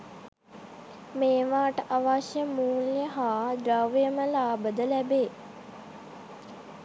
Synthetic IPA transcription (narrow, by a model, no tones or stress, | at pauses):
meːʋaːʈəʔaʋaʃjəmuːljəɦaːdɾaʋjəməlaːbəd̪əlæbeː